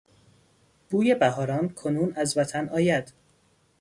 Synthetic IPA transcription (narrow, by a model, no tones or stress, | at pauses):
b̥uːje̞bæɦɒːɾɒːnkʰonuːnæzvæt̪ʰænʔɒːjæd̪̥